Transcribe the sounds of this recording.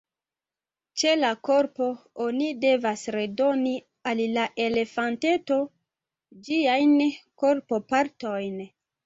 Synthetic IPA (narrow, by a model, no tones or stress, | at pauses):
t͡ʃe̞lakoɾpo̞onide̞vasɾe̞do̞ni | alːaʔe̞le̞fante̞to̞ | d͡ʒiajnko̞ɾpo̞paɾtojn